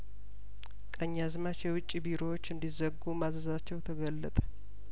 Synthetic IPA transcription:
kʼəɲːazmat͡ʃjɛwʊt͡ʃʼːibiɾo̞wot͡ʃːɨnd̪izəɡumazəzat͡ʃːɛwt̪ʰəɡəlːət̪ʼə̥

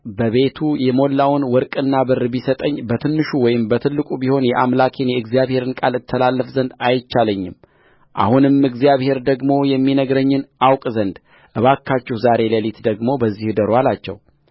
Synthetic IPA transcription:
bəβe̞t̪ʰujɛmo̞lːawnwɔɾkʼɨnːabɨrːbisət̪ʼəɲːbət̪ʰɨnːɨʃuwɔjɪmbət̪ʰɨlːɨkʼubiho̞njɛʔamlakʰenjɛɨɡzijaβhe̞ɾɨnkʼalɨt̪ʰːəlalːəfzənd̪ajt͡ʃːaləɲːɪm | ʔa̰hunɨmɨɡzijaβhe̞ɾd̪əɡmo̞jɛmːinəɡɾəɲːɪnʔawkʼzənd̪ | ʔɨβakʰːat͡ʃːɪhzaɾe̞ləlit̪d̪əɡmo̞bəzːihd̪əɾwalat͡ʃːɛ̰w

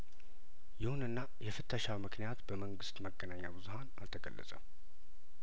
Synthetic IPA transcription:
jɪhunɨnːajɛfɨt̪ʰːəʃawmɨknijat̪bəməŋɡɨst̪məɡːənaɲːabɨzuhana̰lt̪ʰəɡə̰lːə̰sʼə̰m

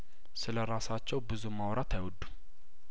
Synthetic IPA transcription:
sɨləɾasat͡ʃːɛwbɨzumawɾat̪ʰajwɔd̪ːum

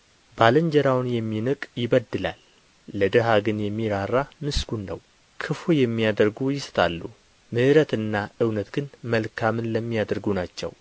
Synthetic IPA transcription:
baləɲd͡ʒəɾawnjɛmːinɨkʼjɪβəd̪ːɨla̰lː | əd̪ɨɦaɡɨnjɛmːiɾarːamɨsɡ̥unːəw | kʰɨfojɛmːijad̪əɾɡujɪst̪ʰʼalːu | mɨʔɨɾət̪ɨnːaʔɨwnət̪ɡɨnməlkʰamɨnləmːijad̪əɾɡunat͡ʃːɛ̰w

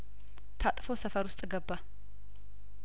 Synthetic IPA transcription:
t̪ʰat̪ʼfo̞səfəɾwʊst̪ʼɨɡəbːa

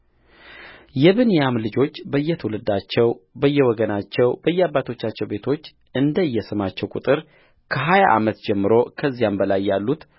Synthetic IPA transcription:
jɛβɨnjamlɨd͡ʒo̞t͡ʃːbəjːɛt̪ʰəwlɨd̪at͡ʃːɛwbəjːɛwɔɡənat͡ʃːɛwbəjːɛaβːat̪ʰo̞t͡ʃːat͡ʃːɛwbe̞t̪ʰo̞t͡ʃː | ʔɨnd̪əjːɛsɨmat͡ʃːɛwkʼut̪ʼɨɾ | kʰəɦajaʔa̰mət̪d͡ʒɛmːɨɾo̞kʰəzːijambəlajːalːut̪

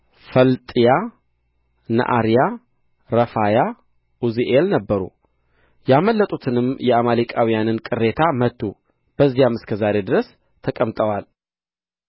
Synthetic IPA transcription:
fəlt̪ʼija | na̰ʔa̰ɾija | ɾəfaja | ʔuziʔelnəbːəɾṵ | jaməlːət̪ʼut̪ʰɨnɨmjɛamalikʼawijanɨnkʼɨrːe̞t̪ʰamət̪ʰːu | b̥əzːijamɨskʰəzaɾe̞d̪ɨɾəs | t̪ʰəkʼəmt̪ʼəwal

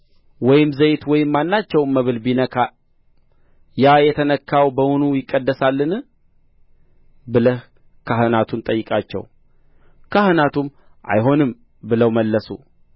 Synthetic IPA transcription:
wɔjɪmzəjt̪wɔjɪmːanːat͡ʃːɛwnməβɨlbinəkʰa | jajɛt̪ʰənəkʰːawbəmunujɪkʼːəd̪ːəsalːɨn | bɨləh | kʰahɨnat̪ʰunt̪ʼəjːɪkʼat͡ʃːɛ̰w | kʰahɨnat̪ʰum | ʔa̰jɦo̞nɨm | bɨləwməlːəsṵ

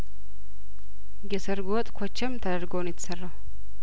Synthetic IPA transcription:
ɡɛsɐɾɡoːt̪ʼkʰɔt͡ʃːɛmt̪ʰɐd̪ɐɾɡoːnɪt̪sɐrːɐ

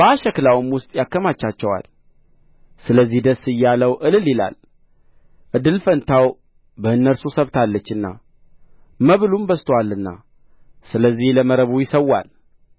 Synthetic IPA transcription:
bəaʃəklawɨmwʊst̪ʼjakːəmat͡ʃːat͡ʃːɛwa̰l | sɨləzːihd̪əsːɨjːaləwʔɨlɨlːila̰l | ʔɨd̪ːɨlfənt̪ʰaw | bəɨnːəɾsusəβt̪ʰalːət͡ʃːɨnːa̰ | məβlumbəst̪ʰwalːɨnːa̰ | sɨləzːihləməɾəβujɪsəwːa̰l

